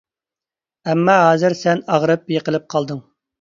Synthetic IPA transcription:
ɛmːɑɦɑːzɨɾsɛnɑʁɾɨp̚jəqəlˠɨp̚qʰɑlˠd̪ɨŋ

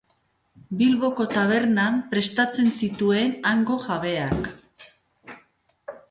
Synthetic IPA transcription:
bilβo̞ko̞t̪aβ̞e̞ɾnampɾe̞st̪at͡se̞nsit̪ue̞naŋɡo̞ɣaβ̞e̞ak

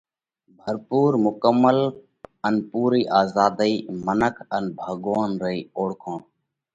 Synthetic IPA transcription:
bʱəɾpuːɾmʊkəmːəl | ənpuːɾiːʔaːzaːd̪iːmənəkʰənbʱəɡoːnɾəiːoːɽkʰõːɳ

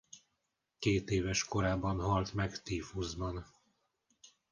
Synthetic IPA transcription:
keːt̪eːvɛʃko̞ɾaːbɒnɦɒlt̪mɛɡt̪iːfuzbɒn

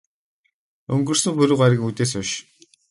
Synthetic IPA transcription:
ɵŋɡɵ̆rsɵ̆mpɵɾŭwɢaɾʲɪ̆kŋut̪eːs̬ʊʃ

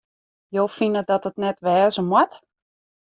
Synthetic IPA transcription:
jowfinədɔtətnɛtʋɛːzəmwɔt

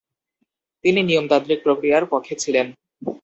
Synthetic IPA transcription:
t̪ininijomd̪ad̪ɾik̚pɾokɾijaɾkɔt̪ʰet͡ɕʰilen

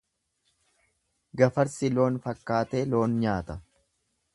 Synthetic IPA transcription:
ɡɐfɐɾsɪlo̞ːnfɐkːaːt̪e̞ːlo̞ːnɲaːt̪ɐ

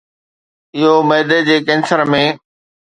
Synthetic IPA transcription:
ɪɦomɐːd̪ed͡ʑeːkɛ̃ːnsəɾmẽ

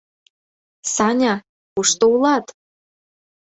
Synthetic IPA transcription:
sɑnʲa | uʂt̪oulˠɑt̪

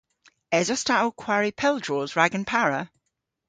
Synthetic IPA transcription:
ɛzəstaʔəlˠkʰw̥aɹipʰɛlˠdɹɔːzɹaɡə̃npʰaɹə

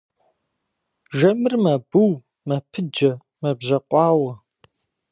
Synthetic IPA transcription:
ʒɐmɨrmɐbuw | mɐpʰɨd͡ʒɐ | mɐbʑɐqʷʼɑːwɐ

